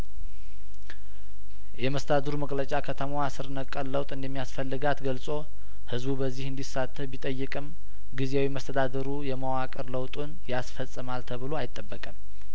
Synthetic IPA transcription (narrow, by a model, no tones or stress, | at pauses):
jɛməst̪əd̪ad̪əɾuməkʼlət͡ʃʼakʰət̪ʰəmawasɨɾnəkʼːəlːəwt̪ʼɨnd̪əmːijasfəlːɨɡat̪ɡəlsʼo̞ | hɨzbubəzːihɨnd̪isːat̪ʰːəbit̪ʼəjːɨkʼɨm | ɡizewiməst̪ʰəd̪ad̪əɾujɛməwakʼəɾləwt̪ʼunjasfəsʼːɨmalt̪ʰəβɨlo̞ajɪt̪ʼːəbːəkʼəm